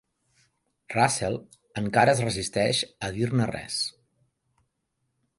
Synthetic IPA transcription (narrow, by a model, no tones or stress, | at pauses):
rasɛlˠ | əŋkaɾəːzrəzist̪ɛʃəðirnərɛ̰s